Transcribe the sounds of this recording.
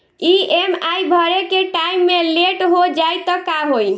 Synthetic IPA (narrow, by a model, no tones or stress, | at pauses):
iemajbʱəɾekeʈaimːeleʈɦod͡ʒajt̪ɔkamɦoj